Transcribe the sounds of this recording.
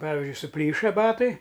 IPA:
ˈpɑːʋʲɪzʲd͡ʒʲʊɪ sʊˈpʲlʲiːʃɐ ˈbɑːtɐɪ

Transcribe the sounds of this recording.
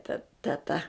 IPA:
tɐ tʲɛˈtɐ

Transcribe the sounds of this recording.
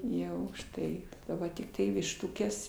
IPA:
ˈjɛʊ ʊʃˈtɐɪ ˈʋɐ tʲɪkˈtɐɪ ʋʲɪʃˈtʊkʲɛs

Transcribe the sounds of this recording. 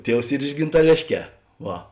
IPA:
ˈtʲiɛws ˈiːr ɪʃ ɡʲɪntɐˈlʲeːʃʲˌkʲɛː ˈʋɐ

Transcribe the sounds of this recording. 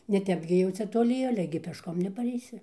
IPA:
nʲɛˈtʲɛp ɡʲɪ jɛʊ ˈt͡sʲɛ toːˈlʲɪ ˈɑːlʲɛ ɡʲɪ pʲɛʃˈkoːm nʲɛpɐrʲɛɪˈsʲɪ

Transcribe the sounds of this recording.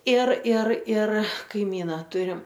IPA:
ɪr ɪr ɪr kɐɪˈmʲiːnɐ ˈtʊrʲɪm

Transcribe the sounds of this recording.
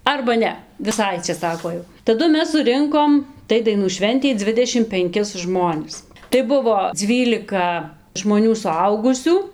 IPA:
ɐrbɐ ˈnʲɛ ʋʲɪˈsɐɪ ɐtʲsʲɪˈsɑːkoː ˈjɛʊ tɐˈdʊ ˈmʲɛs sʊˈrʲɪŋkoːm ˈtɐɪ dɐɪˈnuː ˈʃʲʋʲɛnʲtʲɛɪ ˈd͡zʲʋʲɪdʲɛʃʲɪm pʲɛŋʲˈkʲɪs ˈʒmoːnʲɪs tɐɪ ˈbʊʋoː ˈd͡zʲʋʲiːlʲɪkɐ ʒmoːˈnʲuː sʊˈɐʊɡʊsʲuː

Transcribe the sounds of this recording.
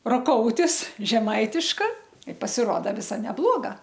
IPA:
roːˈkoːʊtʲɪs ʒʲɛˈmɐɪtʲɪʃkɐ ɪ pɐsʲɪˈroːdɐ ˈʋʲɪsɐ nʲɛˈblˠoːɡɐ

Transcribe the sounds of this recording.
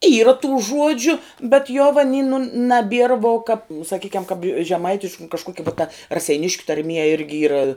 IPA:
iːrɐ tuː ˈʒuɔd͡ʒʲʊ bʲɛt joː ʋɐ nʲɪ nʊ nɐˈbʲiɛr ʋoː kɐp sɐˈkʲiːkʲɛm kɐp ʒʲɛˈmɐɪtʲɪʃk nʊ kɐʃˈkoːkʲɛ ʋoː tɐ rɐsʲɛɪˈnʲɪʃʲkʲʊ tɐrʲˈmʲiɛ ˈɪrʲɡʲɪ ˈiːrɐ

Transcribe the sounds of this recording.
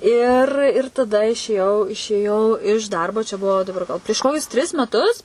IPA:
ɪr ɪr tɐˈdɐ ɪʃʲeːˈjɛʊ ɪʃʲeːˈjɛʊ ɪʃ ˈdɐrboː t͡ʃʲɛ ˈbʊʋoː dɐˈbɐr ɡɐlˠ pʲrʲiɛʃ ˈkoːkʲʊs tʲrʲɪs mʲɛˈtʊs

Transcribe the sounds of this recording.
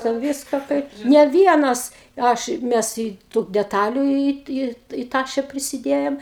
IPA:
tʲɛn ˈʋʲiːskɐ ˈkɐɪp nʲɛ ˈʋʲiɛnɐs ˈɐʃ ˈmʲɛs iː tuː dʲɛˈtɑːlʲʊ iː iː iː ˈtɑːʃʲɛ pʲrʲɪsʲɪˈdʲeːjoːm

